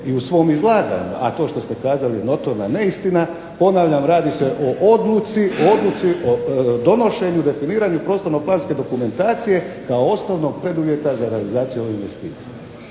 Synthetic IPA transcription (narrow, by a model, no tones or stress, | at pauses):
iusʋo̞ːmizlˠaːɡa̰ɲṵa̰t̪o̞ːʃt̪o̞st̪e̞kaːzalino̞t̪o̞ɾnane̞ist̪ina | po̞naʋʎamɾaːd̪iseʔo̞ʔod̪lut̪siood̪lut̪siod̪o̞no̞ʃe̞ɲud̪efiniːɾaɲupɾo̞ːst̪o̞ɾnoplˠaːnske̞d̪o̞kume̞nt̪aːt̪sije̞kaoo̞snoʋno̞ɡ̚pɾe̞d̪uʋje̞t̪azaɾe̞alizaːt̪sijuo̞ʋeinʋe̞st̪ḭːt̪sije